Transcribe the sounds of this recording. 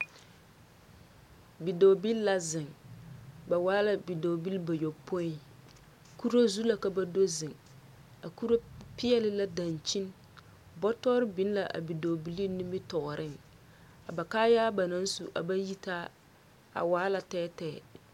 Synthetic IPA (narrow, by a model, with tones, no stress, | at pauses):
bi˨do˨bi˦lːa˦zɪ˨ŋ | ba˨waː˦la˨bi˨do˨bi˦lba˨jo˨po˦i˦ | ku˦ɾo˦zu˦la˨ka˦ba˦do˦zɪ˨ŋ | a˨ku˦ɾo˦pɪ˦jɛ˦lɪ˦la˦da˨nt͡ʃi˦n | bɔ˦tɔ˦ɾɪ˦bi˨˦n˦la˨ʔa̰˨bi˨do˨bi˨˦li˦ni˦mɪ˦tɔ˨ɾʔɪ˦˨ŋ | a˨ba˨kaː˦jaː˦ba˨na˦n˦su˨ʔa̰˨ba˦ji˦taː˦ | a̰˨waː˨˦la˨tɛː˦tɛː˦˨